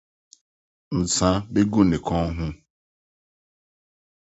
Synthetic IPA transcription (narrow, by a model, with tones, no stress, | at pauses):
n̩˨t͡sa˦be˦ɡu˦˨ne˨kɔ˦ɦʊ˦